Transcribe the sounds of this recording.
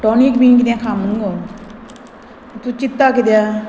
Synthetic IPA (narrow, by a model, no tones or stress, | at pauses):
ʈoːniːkbiːnkid̪ãːkʰaːməŋɡo | t̪ut͡ʃɪt̪ːaːkid̪jaː